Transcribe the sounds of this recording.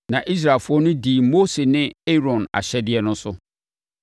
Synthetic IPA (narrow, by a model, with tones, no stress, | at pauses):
nã˨ʔi˦s̬ɾa˨fʊ˦ɔ˦nʊ̃˦diː˨mo˦se˨nɪ̃˦e˦ɾɔ̃˨na̰˨ɕɛ˦dɪ˦ɛ˦nʊ̃˦sʊ˦